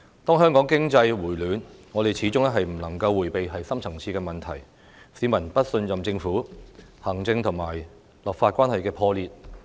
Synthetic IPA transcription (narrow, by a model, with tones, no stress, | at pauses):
t̪ɔː˥ŋɦœː˥ŋkɔː˨˥ŋkɪ˥ŋt͡sɐ˧jwuː˨˩jlyː˨˧nŋɔː˨˧t̪e˨jt͡sʰiː˨˥t͡sʊ˥ŋɛː˥ɦɐ˨jm̩˨˩lɐ˨˩ŋkɐ˧wːuː˨˩jpe˨jɦɐ˨jsɐ˥mt͡sʰɐ˨˩ŋt͡sʰiː˧kɛː˧mɐ˨nt̪ʰɐ˨˩j | siː˨˧˥mɐ˨˩npɐ˥t̚sɵ˧nt͡sɐ˨mt͡sɪ˧ŋfuː˨˥hɐː˨˩ŋt͡sɪ˧ŋt̪ʰʊ˨˩ŋmaː˨˩j | lɐ˨k̚faː˧t̚kʷwaː˥nhɐ˨jkɛː˧pʰɔː˧liː˨t̚